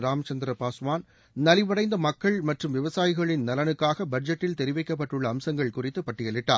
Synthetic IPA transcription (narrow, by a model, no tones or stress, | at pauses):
ɾaːmɐt͡ʃɐnd̪ɪɾɐpaːsʋaːn | nɐlɪʋɐɽɐɪnd̪ɐmɐkːɐɭmɐʈrɯmʋɪʋɐsaːjɪɣɐɭɪnnɐlɐnɯkːaːɣɐbɐd͡ʒɐʈːɪlt̪ɛɾɪʋɐɪkːɐp̬ːɐʈːɯɭːɐːmsɐŋɡɐɭkʊrɪt̪ːɯpɐʈːɪjɐlɪʈːa̰ː